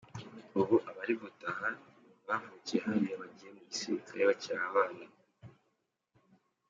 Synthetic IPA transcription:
uβuʔaβaɾiβutaha | βavucieɦaɾijaβaɟije̞muɟisiɾikʰaɾeβacaβaːna

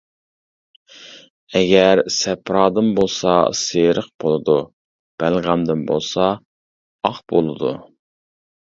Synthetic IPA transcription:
ɛɡʲɛɾsɛpɾɑːd̪ɨnbolˠsɑ̰seɾəqb̥olˠɨd̪u | b̥ælʁæmd̪ɪnbo̰lˠsɑ | ɑχbolˠɨd̪u

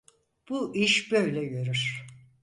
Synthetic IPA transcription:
b̥uʔiʃbø̞jlʲɛɟøɾyɾ̥

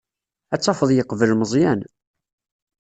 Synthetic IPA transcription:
æt͡sːɑfəðˤjəqːəvəlməzˤjæn

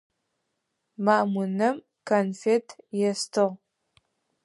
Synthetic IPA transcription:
maːʔmʊnɐm | kʰanfetʰjɛstʰɨʁ

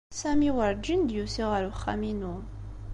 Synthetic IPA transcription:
sæmiwəɾd͡ʒind̪jusiʁəɾuχːæ̰minu

